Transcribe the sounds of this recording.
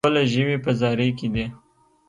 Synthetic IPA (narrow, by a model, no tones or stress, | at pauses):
əlaʒəwipəzɑɾəjkid̪e